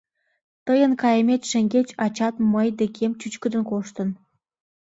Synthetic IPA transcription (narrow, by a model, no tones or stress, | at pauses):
t̪əjə̆nkɑjə̆mʲet͡ɕʃĕŋɡʲet͡ɕɑt͡ɕɑt̪məjd̪ekʰemt͡ɕyt͡ɕkə̆d̪ə̆nkoʃt̪ə̆n